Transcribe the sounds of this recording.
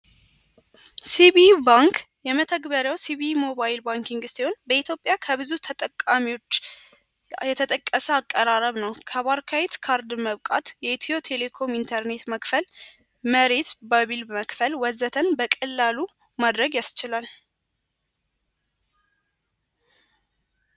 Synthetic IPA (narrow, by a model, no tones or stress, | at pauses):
siβibaŋkʰ | jɛmət̪ʰəɡbəɾjawsiβimo̞βaɪlbaŋkiŋɡɨst̪eho̞nbəit̪ʰjo̞pʼjakʰəβɨzut̪ʰət̪ʼəkʼːamiwo̞t͡ʃː | jɛt̪ʰət̪ʼəkʼːəsəakʼːəɾaɾəβnəwkʰəβaɾkʰawet̪kʰaɾd̪məβkʼat̪jɛt̪ʰio̞t̪ʰe̞le̞kʰo̞mint̪ʰəɾne̞t̪məkfəl | məɾe̞t̪baβilməkfəlwɔzət̪ʰənbəkʼɨlːalu | mad̪ɾəɡjast͡ʃɪlal